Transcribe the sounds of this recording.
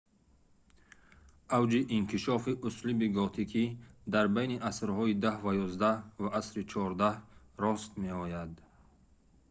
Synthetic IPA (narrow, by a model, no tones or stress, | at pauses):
ʔawd͡ʒiʔːŋkʰiʃɔfiʔuslibiɡɔt̪ʰikʰid̪aɾbajniʔasɾhɔid̪ahvajɔzd̪ahvaʔasɾit͡ʃʰɔɾd̪ah | ɾɔst̪meɔjad̪